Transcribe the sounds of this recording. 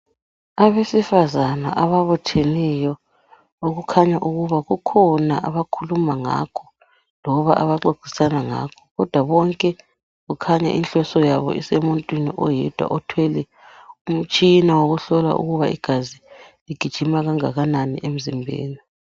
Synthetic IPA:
aβesifazanaʔaβaβɔtʰɛlɛjɔ | oɣukʰaɲaʔuɣuβaɣukʰɔnaʔaβakʰulumaŋa̰kʰɔ̥ | lɔβaʔaβaǃoɡ̥ʱi̥sanaŋa̰ːkʰɔ̥ɣɔd̥ʱwaβɔŋkʼɛ | ɣukʰaɲa̰ʔḭnɬɔsɔjaβɔ̰ʔḭsemuntʼwiniʔɔjɛd̥ʱwa̰ʔɔtʰwɛlɛ | um̩t͡ʃʼinawoɣuɬɔla̰ʔṵɣuβaʔḭɡ̥ʱaziliɡ̥ʱid̥ʒ̥ʱimaɣaŋaɣananḭʔem̩zimbʱḛːni

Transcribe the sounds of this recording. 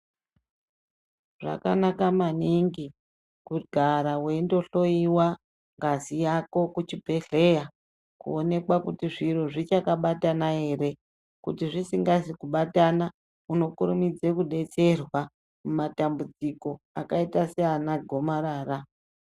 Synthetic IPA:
ʐa̰kanakamaniŋɡi | kuɡʱaɾawe̞ndo̞ɬo̞iwa | ŋɡazijako̞kut͡ʃibʱe̞ɮe̞ja | kṵone̞kwakutiʐiro̞ʐit͡ʃakaɓatanae̞ːɾe̞ | kutiʐisiŋɡasikuɓatana | uno̞kuɾumid͡ze̞kuɗe̞t͡se̞rwa | mumatambud͡ziko̞a̰kaitasianaɡʱo̞maɾaːra

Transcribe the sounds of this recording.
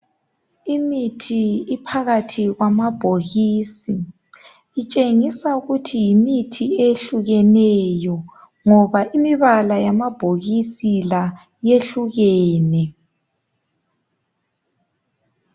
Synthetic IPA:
imitʰiipʰaɣatʰiɣwamab̥ʱoɣiːsiː | t͡ʃʼeŋisauɣutʰijimitʰieɬuɣɛnɛjɔ | ŋɔβaʔimiβalajamab̥ʱoɣisila | jeɬuɣɛːnɛ

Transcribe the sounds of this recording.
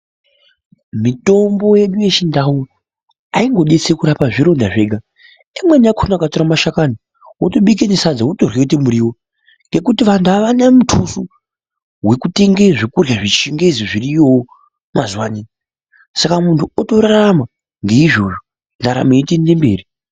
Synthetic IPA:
mito̞mbo̞je̞ɗuje̞t͡ʃindawu | aiŋɡo̞ɗet͡sekuɾapaʐiɾo̞ndaʐe̞ːɡʱa | imweniakʰonakatoɾamaʃakani | woto̞ɓik̬enesad͡zawotorwekutimuɾiːwo | ŋɡe̞kutiʋantuaʋanamutʰusu | we̞kute̞ŋɡeʐekurjaʐit͡ʃiŋɡeziʐirijo | mazuwaniːni | sakamuntʰuotoɾarama | ŋɡe̞iʐo̞̰ʐo | ndaɾa̰meitendembeːri

